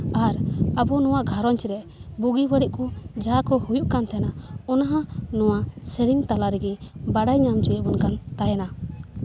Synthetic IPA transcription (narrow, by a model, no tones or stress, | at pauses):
aɾabɔnɔwaʔɡʱaɾɔɲt͡ʃiɾɛ | buɡibəɽiʔkud͡ʒakɔhujuʔkant̪ʰɛnaɔnaɦãnɔwasəɾiŋt̪alaɾɛɡɛbaɽajɲamt͡ʃujɛʔbɔnkant̪ajana